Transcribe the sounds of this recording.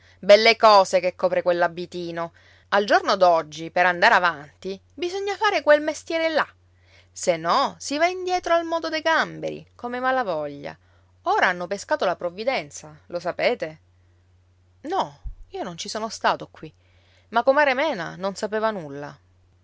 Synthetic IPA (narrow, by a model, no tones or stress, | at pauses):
bɛlːekɔːsekekːɔːpɾekwelːabːit̪iːno | ald͡ʒornod̪ɔd͡ʒːipeɾand̪aɾavant̪i | bizoɲːafaːɾekwelmest̪jɛːɾela | senːɔsivaind̪jɛːt̪ɾoalmɔːd̪od̪ejɡambḛɾḭkomemalavɔʎːa̰ | oːɾaanːopeskaːt̪olapɾovːid̪ɛnt̪salosapeːt̪e | nɔiːonont͡ʃisoːnost̪aːt̪okːwi | makːomaːɾemɛːna̰nonsapeːvanulːa̰